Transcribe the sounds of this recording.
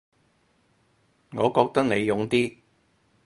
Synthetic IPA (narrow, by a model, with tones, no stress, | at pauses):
ŋɔː˨˧kɔː˧k̚t̪ɐ˥k̚ne˨˧jjʊ˨˥ŋt̪iː˥